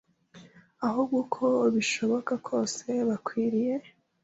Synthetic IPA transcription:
aɦobɡukʰo̞βiʃo̞βo̞kakʰo̞ːse̞βakwiːɾije̞

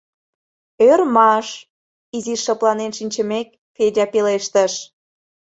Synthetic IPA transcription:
ørmɑʃ | iziʃːə̆plˠɑnenʃinʲt͡ɕə̆mek̚ | fedʲɑpeleʃt̪əʃ

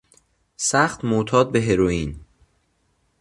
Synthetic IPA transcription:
sæxt̪mot̪ʰɒːd̪̚be̞ɦeɾoiːn

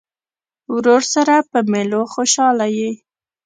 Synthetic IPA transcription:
wɾoɾsaɾapəmeloxoʃɑlaji

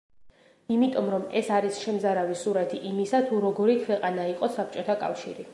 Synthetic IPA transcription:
imit̪ʼɔmɾɔmɛsaɾisʃɛmzaɾavisuɾat̪ʰiʔimisat̪ʰuɾɔɡɔɾikʰwɛqʼanaiqʼɔsap̚t͡ʃʼɔt̪ʰakʼa̰fʃiɾi

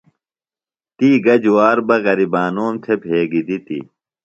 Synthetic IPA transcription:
t̪iːɡɐd͡ʑuwaːɾbɐɣɐɾibaːnoːmt̪ʰepʰeːɡid̪it̪ḭ

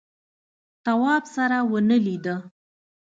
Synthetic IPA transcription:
t̪awɑbsaɾawənəlid̪ə

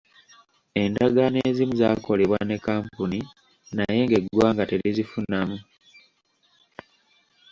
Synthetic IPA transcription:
e̞ndaɡane̞ːzimuzaːko̞le̞βwane̞kːaːmpuni | naje̞ŋɡe̞ɡwaːŋɡateɾizifunamu

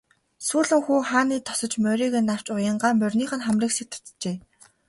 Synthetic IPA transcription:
suːɮɘ̆ŋxuːχaːniːt̪ʰɔ̥sɞ̆t͡ɕmœɾiːɣeːnːaw̥t͡ɕʊjə̆ɴɢaːmœrʲniːχə̆nχæmriːksik̚t̪ʰʊ̥t̪t͡ɕeː

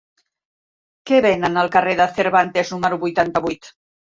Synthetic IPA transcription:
kɛβenənəlˠkəreðəθeɾβant̪eznuməɾuβujt̪ant̪əβujt̪

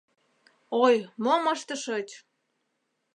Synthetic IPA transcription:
ojmomɑʃt̪əʃɤt͡ɕʲ

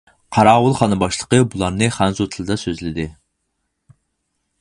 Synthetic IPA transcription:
qʰɑɾɑːwʊlˠχɑnɨbɑʃlˠə̥qəbulˠɑɾnɨχænzot̪ʰɨlˠɨd̪ɑsøzlɪd̪ɪ

